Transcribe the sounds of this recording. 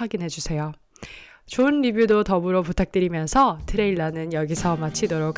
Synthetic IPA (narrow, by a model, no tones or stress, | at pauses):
waɡinɦe̞d͡ʑusʰe̞jo | t͡ɕoɯnɾibjudotʌbɯɾoputʰak̚t͈ɯɾimjʌnsʰʌtʰɯɾe̞iɭːanɯnjʌɡisʰʌmat͡ɕʰidoɾok